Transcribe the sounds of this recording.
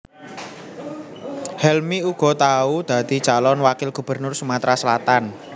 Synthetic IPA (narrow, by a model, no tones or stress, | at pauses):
hɛlmiuɡ̥ɔ̤t̪aud̪̥a̤d̪̥i̤d̥ʒ̥a̤lɔnwakɪlɡ̥ṳb̥ə̤rnʊrsumat̪ɾasəlat̪an